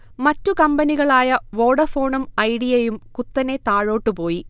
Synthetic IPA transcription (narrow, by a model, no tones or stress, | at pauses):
mɐtːukɐmbɐniɣɐɭaːjɐʋo̞ːɽɐfo̞ːɳɐmɐjɽijejumkut̪ːɐne̞t̪aːɻoːʈːupo̞ːji